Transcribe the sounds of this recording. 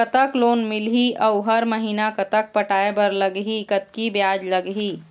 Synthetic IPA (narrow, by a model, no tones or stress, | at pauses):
kət̪əkloːnmɪlɦiʔɐʊɦɐɾməɦiːnakɐt̪ək̚pəʈaːebɐɾləɡɦikət̪kibjaːd͡ʒləɡɦiː